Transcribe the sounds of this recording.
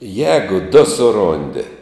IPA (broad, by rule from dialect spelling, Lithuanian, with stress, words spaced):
ˈjɛːɡʊ dʊ sʊˈroːnʲdʲɪ